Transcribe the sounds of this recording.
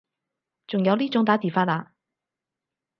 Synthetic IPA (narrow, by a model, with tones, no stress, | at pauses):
t͡sʊ˨ŋjɐ˨˧wliː˥t͡ʃʊ˨˥ŋt̪aː˨˥t̪iː˨˩faː˥laː˨˧˥